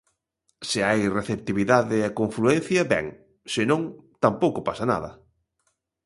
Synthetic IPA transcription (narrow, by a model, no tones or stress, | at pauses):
sɪajreθep̚t̪iβiðaðɪɛkoɱfluɛn̟θjɐbɛ̰ŋ | sɪnõŋt̪ampowkʊpasɐna̰ðɐ